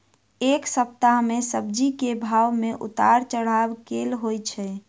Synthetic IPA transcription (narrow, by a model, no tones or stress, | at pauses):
eksəp̚t̪aɦmesəb̚d͡ʒikebʱawmeʔṵt̪aɾt͡ʃəɽ̤abkelɦojt͡ʃʰɛ